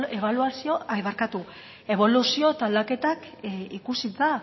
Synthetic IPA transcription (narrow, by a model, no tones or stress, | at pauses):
eβaluasio̞ajβaɾkat̪u | e̞β̞o̞lusio̞t̪ald̪ake̞t̪ak | ikusit͡sa